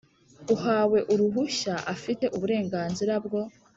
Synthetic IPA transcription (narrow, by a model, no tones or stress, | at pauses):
uhaːwe̞ʔuɾuɦuʃaʔafite̞ʔuβuɾe̞ːŋɡaːnziɾabɡo̞